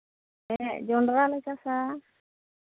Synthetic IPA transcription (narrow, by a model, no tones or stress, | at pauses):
ɛd͡ʒɔɳɖɾalɛsasa